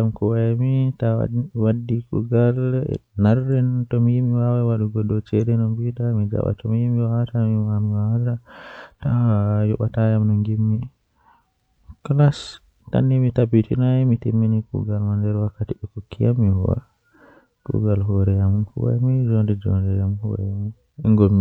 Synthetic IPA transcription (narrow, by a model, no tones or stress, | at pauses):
amkuwajmita̰wadːikṵɡalnaɾdɛntɔmijimiwawawaɗuɡɔɗɔt͡ʃɛɗɛnɔmbiɗamid͡ʒa̰ɓa̰tɔmijimiwawatamiamiwawatatajɔ̰ɓatajamnɔŋɡimːi | klas | ta̰nːimitabitinaɛmitimːinikṵɡalmandɛɾwakːatiɗɛkukːijamːihɔ̰wa̰ | kṵɡalɦɔɾɛjamufṵwa̰mid͡ʒondɛd͡ʒɔ̰ndɛjamhɔ̰ɾɛ̰jamun | ɛŋɡɔmi